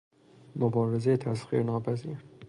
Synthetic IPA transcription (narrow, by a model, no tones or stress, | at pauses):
mobɒːɾezet̪ʰæsxḭːɾnɒːpʰæziːɾ